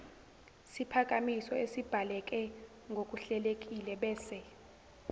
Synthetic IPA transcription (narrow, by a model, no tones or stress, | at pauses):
sipʰakʼamisɔesib̥ʱalɛk̬ʼɛ | ŋɡʱok̬ʼuɬɛlek̬ʼilɛɓɛːsɛ